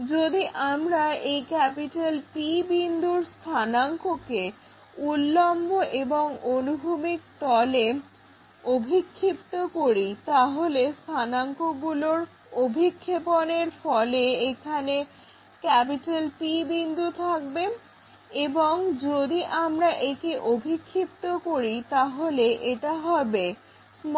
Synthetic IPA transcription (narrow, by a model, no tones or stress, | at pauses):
d͡ʑod̪iʔamɾaejkɛpiʈalʈibind̪ʱuɾst̪ʰanaŋkoke | ulːomboʔeboŋonubʱumik̚t̪ɔle | obʱikʰːipt̪okoɾit̪aɦolest̪ʰanaŋkoɡuloɾ | obʱikʰːeponeɾfɔleekʰane | kɛpiʈalʈibind̪ʱut̪ʰak̚be | eboŋd͡ʑod̪iʔamɾaʔekiʔobʱikʰːip̚t̪okoɾit̪aɦoleʔeʈaɦɔbe | m